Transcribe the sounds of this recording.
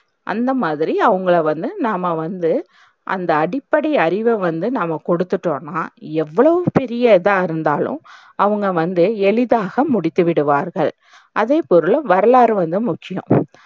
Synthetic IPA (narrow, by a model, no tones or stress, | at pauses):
ʔɐ̰nd̪ɐmaːðɪɾiɐʋɐŋɡɐɭɐʋɐnd̪ɯnaːmɐʋɐnd̪ɯ | ʔɐ̰nd̪ɐːɽɪpːɐɽɐɐɾɪʋɐʋɐnd̪ɯnaːmːɐkɔɽɯt̪ːɯʈːõːnːaːɛʋːɐɭɐʋɯpɛɾɪjɐðãːɪɾɯnd̪aːlʊ̰̃m | ɐʋɐŋɡɐʋɐnd̪ɯɛɭɪðaːɣɐmʊɽɪt̪ːɯʋɪɽɯʋaːɾɣɐɭ | ʔɐðeːpɔɾɯlʋɐɾɐlaːɾɯʋɐnd̪ɯmʊkːɪjʊ̰̃